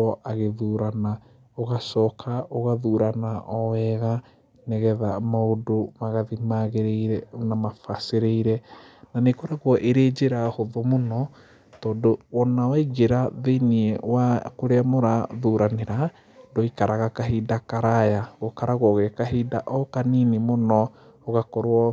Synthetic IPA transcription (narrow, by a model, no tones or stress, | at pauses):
ɔʔaɣeðuɾana | oɣasɔːkʰaoɣaðuːɾanaʔɔwɛɣa | nɛɣɛðamaodomaɣaðimaɣeɾeiɾɛnamafaseɾeiɾɛnanekoɾaɣwɔʔeɾed͡ʑeɾahoðomonɔ | tɔːndowɔnawaiɣeɾaðeniɛwakoɾeamoɾaðuːɾaneɾa | dɔikaɾaɣakaɦidakaɾajaɣokaɾaɣwɔɣekaɦiːdaʔɔkaninimonɔ | oɣakɔɾwɔ